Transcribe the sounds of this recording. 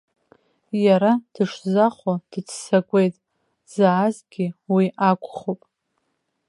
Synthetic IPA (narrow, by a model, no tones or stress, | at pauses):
jaɾad̥ɨʂzaχʷod̥ɨt͡sʰsakʷʼe̞jtʼ | zaːzɡʲiwiʔakʷʼχopʼ